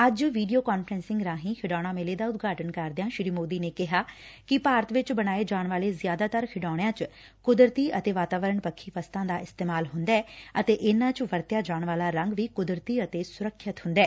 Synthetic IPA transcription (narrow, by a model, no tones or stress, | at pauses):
əd͡ʒʋiːɖijoːkaːnpʰɾɛ̃ːnsɪ̃ŋɡɾãːɦĩːkʰɪɖaːɽ̃ãːmeːleːd̪aːʊt̪ɡaːʈənkəɾd̪ejãːʃɪɾiːmoːd̪iːneːkɪɦaːkɪpaːɾət̪ʋɪt͡ʃbəɽ̃aːeːd͡ʒaːɳʋaːleːzjaːd̪aːt̪əɾkʰɪɖaːɽ̃jãːt͡ʃ | kʊd̪ɾt̪iːʔət̪eːʋaːt̪aːʋəɾəɳpəkʰːiːpəst̪ãːd̪aːɪst̪eːmaːlɦʊnd̪aːɛːət̪eːʔɪnːãːt͡ʃʋəɾt̪ejaːd͡ʒaːɳʋaːlaːɾə̃ŋɡʋiːkʊd̪ɾt̪iːət̪eːsʊɾəkʰːjət̪hʊ̃nd̪ɛː